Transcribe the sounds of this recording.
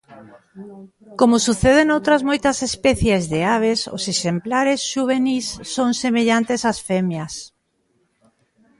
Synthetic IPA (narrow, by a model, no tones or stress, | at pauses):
komʊsuθeðenowt̪ɾɐzmojt̪ɐsespɛθjezðeaβ̞eso̰seʃemplaɾesʃuβ̞enisːoŋsemeʎant̪esasfemjɐs